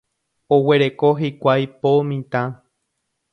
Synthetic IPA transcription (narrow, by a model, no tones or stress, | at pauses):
owe̞ɾekoɦikʷajpomĩt̪ã